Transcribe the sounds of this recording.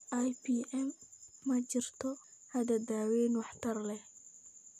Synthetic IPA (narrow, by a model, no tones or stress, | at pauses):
ʔajpiːɛmːɐt͡ʃɪrt̪ʰɔhɐd̪ɐd̪aːwɛːnwɑħt̪ʰɐrlɛ